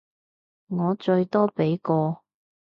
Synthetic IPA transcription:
ŋɔː˨˧t͡ʃɵ˧ɥt̪ɔː˥pe˨˥jkɔː˧

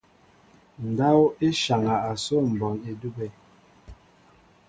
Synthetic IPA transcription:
n̩˨da˦wo˦e˦ʃa˨ŋa˨a˨so˦m̩˨bɔ˨ne˦du˦be˦˨

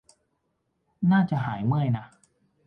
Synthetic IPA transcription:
naː˥˩t͡ɕa˨˩ɦaː˩˦jmɯ˥˩əjna˦˥

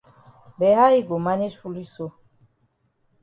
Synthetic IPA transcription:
bɛ˨ɦa˦i˦ɡo˨ma˦ne˦d͡ʒfu˦li˦so˦

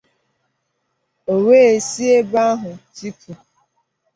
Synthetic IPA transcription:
o˨weː˦e˨si˦e˦ba˦ɦʊ˨ti˦pʰu˨

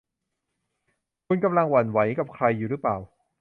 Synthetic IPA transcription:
kʰu˧nka˧mla˧ŋwa˨˩˦nwa˩˦jka˨˩p̚kʰɾa˧jːuː˨˩ɾɯ˦˥plaː˨˩w

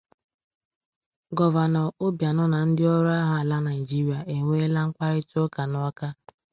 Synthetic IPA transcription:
ɡɔ˨va˨nɔ˨o˦bja˨nɔ˦na˨n̩˦dɪ˦ɔ˦ɾa˦ɦa˦a˨la˦na˨ɪ˨d͡ʒi˦ɾi˨a˨e˨ŋʷe˦la˦ŋ̩˦kʷa˦ɾɪ˦to˦ka˨nɔ˦a˦ka˦

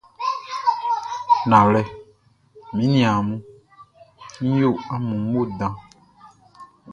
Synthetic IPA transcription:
nã˨lɛ˨ | mĩ˦nĩ˨a˨mũ˦ | ɲ̩̃˦jo˦˨a˦mũ˨ŋ˦o˦dã˨

